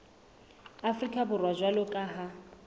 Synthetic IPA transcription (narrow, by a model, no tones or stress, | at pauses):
afrikʼabʊrwad͡ʒwalɔkʼaɦa